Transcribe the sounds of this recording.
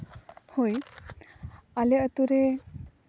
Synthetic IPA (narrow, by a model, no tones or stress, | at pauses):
hoj | aleət̪uɾe